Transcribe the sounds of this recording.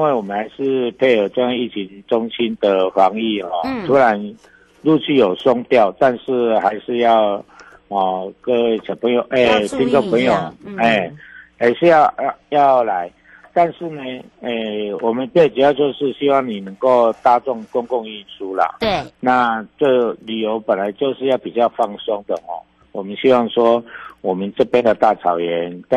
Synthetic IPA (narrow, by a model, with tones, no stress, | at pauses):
i˦nwe˥˩ɪwɔ˨˩mə˨˦nha˧˦ɪʂɻ̩˥˧pʰe˥˩ɪə˨˩ʈ͡ʂo˥˧ja˥˧i˥˩t͡ɕʰi˧˦ŋʈ͡ʂʊ˥ŋɕi˦˥nd̪ə˨xwa˨˧˥ŋi˥˩hɔ˥˩t̪ʰu˦la˧˦n | lu˥˧t͡ɕʰy˥˩jo˨˩ʊsʊ˥ŋt̪jɑ˥˨ʊt̪a˥˧nʂɻ̩˥˩ha˧˥ɪʂɻ̩˥˧jɑ˥˩ʊ | hɔ˨˩kə˦t͡ɕʰjɑ˨˩ŋpʰə˧˦ŋjo˨˩ʔe˥˩t̪ʰi˥nʈ͡ʂo˥˩ŋpʰə˧˥ŋjo˨˩ʊ˨e˥˩ha˧˥ɪʂɻ̩˥˧jɑ˥˧ʊjɑ˥˩ʊla˧˦ɪ | t̪a˥˧nʂɻ̩˥˩ne˨e˥˧˩wɔ˨˩mə˨˦npe˥˩ʈ͡ʂɻ̩˨˩ja˥˧ʊt͡ɕo˥˧ʊʂɻ̩˥˨ɕi˥wɑ˥˩ŋni˨˩nə˧˥ŋko˥˩ʊt̪a˥t͡sɔ˥˩ŋkʊ˥ŋkʊ˥˧ŋi˥˩nsu˥lə̰˨˩na˥˨˧t͡sə˥˩ly˨˩jo˧˥ʊpə˨˩nla˨˦ɪt͡ɕjo˥˧ʊʂɻ̩˥˧ja˥˩ʊpi˨˩t͡ɕjɑ˥˧ʊfɑ˥˩ŋsɔ˥ŋd̪ə˨hɔ̰˨˩ | wɔ˨˩mə˦nɕi˥wɑ˥˩ŋʂwɔ˥wɔ˨˩mə˦nʈ͡ʂɤ˥˧pjɛ˥nd̪ə˨t̪a˥˩t͡sʰɑ˨˩ʊjɛ˨˧˦nt̪